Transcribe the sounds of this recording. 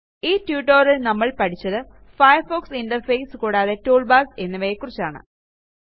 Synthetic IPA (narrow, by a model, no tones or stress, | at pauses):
iːtjuːʈːo̞ːɾilnɐmːɐɭpɐʈʰit͡ɕːɐðɨ | fɐjɐrfoːksindɐrfejskuːɽaːðe̞toːɭbaːse̞nːɐʋɐjekːurit͡ɕːaːɳɨ̰